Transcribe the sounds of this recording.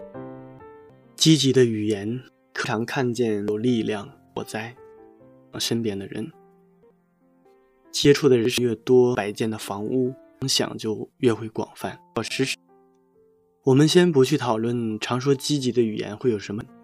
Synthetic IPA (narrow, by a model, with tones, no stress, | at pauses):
t͡ɕi˥t͡ɕi˧˥d̪ə˧y˨˩jɛ˧˥n | kʰɤ˥˩ʈ͡ʂʰɑ˧˥ŋkʰa˥˧nt͡ɕjɛ˥˩njo˨˩ʊli˥˧ljɑ˥˩ŋ | wɔ̰˨˩t͡sa˥˩ɪ˩ | ʂə˥npjɛ˧˥d̪ə˧ɻə̰˧˥n | t͡ɕjɛ˥ʈ͡ʂʰu˥˩d̪ə˩ɻə˧˥nʂɻ̩˥˧ɥɛ˥˩t̪wɔ˥pa˨˩ɪt͡ɕjɛ˥˩nd̪ə˩fɑ˧˥ŋu˥˩˧ | ŋɕjɑ̰˨˩ŋt͡ɕjo˥˧ʊɥɛ˥˩xwe˧˥ɪkwɑ̰˨˩ŋfa˥˩n˩ɻ̩˧˥ | wɔ˨˩mə˧˦nɕjɛ˥np̬u˧˥t͡ɕʰy˥˩t̪ʰɑ˨˩ʊlwə˥˩nʈ͡ʂʰɑ˧˥ŋʂ̬wɔ˥t͡ɕi˥t͡ɕi˧˥d̪ə˧y˨˩jɛ̰˧˥nxwe˥˩ɪjo˨˩ʊʂə˧˥mə˧